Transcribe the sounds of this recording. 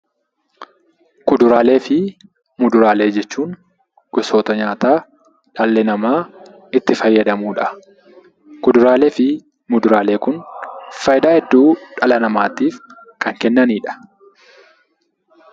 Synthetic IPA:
kʊd̪ʊɾaːle̞ːfɪ | mʊd̪ʊɾaːle̞ːd͡ʒɛt͡ʃːuːn | ɡ̥ɛso̞ːt̪ɐɲaːt̪aː | ᶑɐlːɛnɐmaː | ɪt̪ːɪfɐjːɐd̪ɐmuːᶑɐ | kʊd̪ʊɾaːle̞ːfɪ | mʊd̪ʊɾaːle̞ːkʊnfɐjd̪aːhɛd̪ːuːᶑɐlɐnɐmaːt̪iːf | kɐŋkɛnːɐniːᶑɐ̥

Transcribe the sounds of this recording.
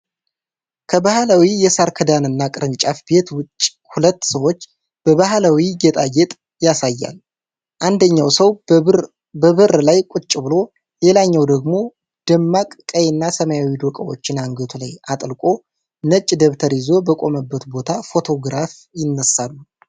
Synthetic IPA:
kʰəbahlawijɛsaɾkʰəd̪anɨnːakʼɨɾɨnt͡ʃʼafbe̞t̪wʊt͡ʃʼː | hulət̪ːsəwo̞t͡ʃː | b̥əβaɦlawiɡet̪ʼajɛt̪ʼ | jasajːa̰l | ʔand̪əɲːawsəw | bəβɨrlajkʼʊt͡ʃʼːɪbɨlo̞ | le̞laɲːawd̪əɡmo̞ | d̪̥əmːakʼkʼəjnːasəmajawid̪okʼəwo̞̰t͡ʃːɪnaŋɡət̪ʰula̰jat̪ʼlkʼo̞ | nət͡ʃʼːd̪əβt̪ʰəɾizo̞bəkʼo̞məbːət̪bo̞t̪ʰafo̞t̪ʰo̞ɡɾafjɪnːəsːalːu

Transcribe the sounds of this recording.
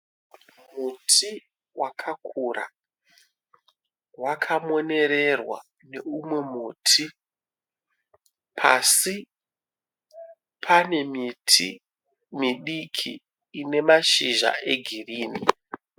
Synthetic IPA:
mutʰi | wakʰakʰura̰ | wakʰamo̞ne̞ɾe̞rwa̰ | ne̞umwe̞muːtʰi | pʰasi | pʰane̞mtʰḭ | miɗikʰḭː | ne̞maʃiʒa̰ʔe̞ɡʱiriːni

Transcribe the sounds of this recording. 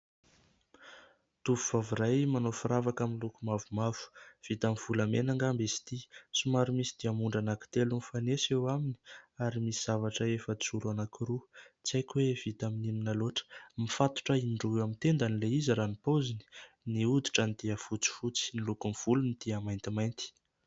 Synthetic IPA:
t̪uvuv̥aviɾajmanofuɾavakaminlukumavumavu̥v̥it̪amv̥ulamenaŋɡambesi̥t̪isumaɾumisid̪̥iamuɳɖ͡ʐanaki̥t̪elunifanesewamini̥aɾimisiz̥avaʈ͡ʂəefəsuɾanakuɾut͡sajkʲwev̥it̪aminiminaloʈ͡ʂə̥mifat̪u̥ʈ͡ʂəinɳɖ͡ʐuamint̪end̪anileiziɾanipozini̥ | niud̪i̥ʈ͡ʂənd̪̥iəfut͡si̥fut͡si̥nilukunv̥ulunid̪̥iəmajnt̪imajnt̪i̥

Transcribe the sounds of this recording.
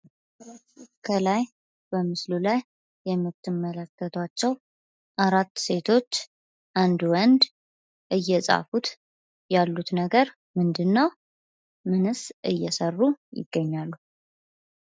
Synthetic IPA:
kʰəlaj | b̥əmɨslulajː | ɛmːɨt̪ʰːɨmːələkʰːət̪ʰwat͡ʃːɛw | ʔaɾat̪ːse̞t̪ʰo̞t͡ʃː | ʔand̪wɔnd̪ | ʔɨjːɛsʼa̰fut̪ | jalːut̪nəɡəɾ | mɨnd̪ɨnːəw | mɨnɨsʔɨjːɛsərːujɪ̰ɡ̥ːəɲːalːu

